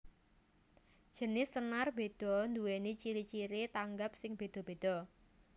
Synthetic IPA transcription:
d̥ʒ̥ə̤nɪsːənarb̥e̤d̪̥ɔ̤nd̪uwenit͡ʃiɾit͡ʃiɾet̪aŋɡap̚sɪŋb̥e̤d̪̥ɔ̤b̥e̤d̪̥ɔ̤

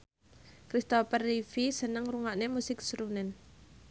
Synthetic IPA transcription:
kɾist̪ofərːifisənəŋruŋaʔnemusɪksɾunɛn

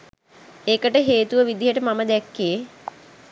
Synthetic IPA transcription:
eːkəʈəɦeːt̪uʋəʋid̪iɦəʈəmaməd̪ɛkːije

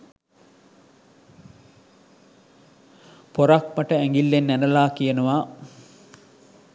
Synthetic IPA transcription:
poɾak̚məʈəæŋɡilːenːænəlaːkijənəʋa

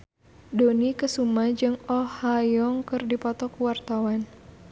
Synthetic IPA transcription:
donikəsumad͡ʒɨŋɔhajɔŋkɨrdipɔt̪ɔkuwart̪awan

